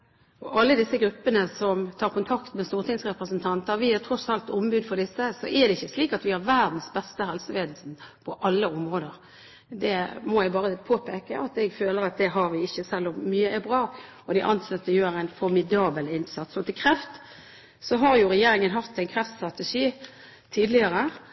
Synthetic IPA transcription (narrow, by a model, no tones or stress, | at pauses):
ɔʔɑlːəd̪ɪsːəɡɾʉpːənəsɔmt̪ʰɑːɾkʊnt̪ʰɑkt̪mɛst̪uːʁt̪ɪŋsʁɛpɾəsənt̪ʰɑnt̪əʋɪæɾt̪ʰɾɔsɑlt̪ɔmbʉːd̪fɔɾd̪ɪsːəsɔ̰ʔɛd̪ɛɪçːəsliːkɑt̪ʋɪhɑɾʋæɾd̪n̩sbɛst̪əhɛlsəʋeːd̪l̩sn̩pʰɔʔɑlːəɔmʁoːd̪əɾ | d̪ɛmɔɛɪbɑːɾəpʰoːpʰeːkəʔɑt̪ɛɡføːləɾɑt̪̚d̪ɛɦɑɾʋɪɪçːəsɛlːɔmːyːəʔɛbɾɑː | ɔd̪ɪʔɑnsɑt̪ːəjøːɾæɪnfɔɾmɪd̪ɑːbəlɪnsɑt̪sɔt̪ʰɪlkʰɾɛft̪ | sɔɦɑɾjʊɾɛjeːɾɪŋənɦɑt̪æɪnkʰɾɛft̪st̪ɾɑt̪ɛʂiː | t̪ʰiːd̪lɪəɾə